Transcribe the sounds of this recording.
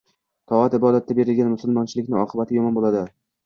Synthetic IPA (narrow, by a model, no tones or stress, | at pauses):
t̪ʰɒat̪ɪbɒd̪at̪ʰːabe̞ɾɪlɡʲanmʊsʊlˠmɒnt͡ʃʰɪlɪkʲnɪɒqʰɨbat̪ʰɪjɒmɒnbolˠad̪ɪ